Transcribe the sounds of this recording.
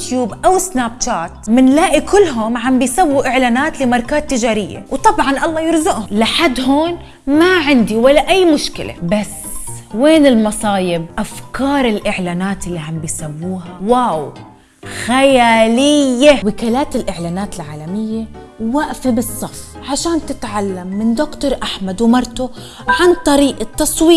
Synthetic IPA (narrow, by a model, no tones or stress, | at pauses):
t̪juːbʔawɪsnaːp̚t͡ʃaːt̪̚mɪnlaːʔikʊlːɦʊmʕambɪjsawːuʔɪʕlaːnaːt̪lɪmɑɾˤkaːt̪ːɪd͡ʒaːɾɪjːa̰wt̪ˤɑbʕɑnʔɑlˤːɑːjɪɾzʊʔhʊlɪħad̪ɦoːn | maʕɪnd̪iwalːaʔajːmʊʃkɪ̰lʔa̰bas | weːnɪlmɑsˤɑːjɪb̚ʔafkɑːɾˤɪlʔɪʕlaːnaːt̪ɪlːiʕambɪjsawːuːɦawaw | xajaːlɪjːawɪkaːlaːt̪ɪlʔɪʕlaːnaːt̪ɪlʕaːlamɪjːa | waʔfabɨsˤːɑf | ʕaʃaːnt̪ɪt̪ʕalːamːɪnd̪ʊkt̪oɾˤʔaħmad̪wmɑɾˤt̪ʊ | ʕant̪ˤɑɾiːʔat̪ːɑsˤwiː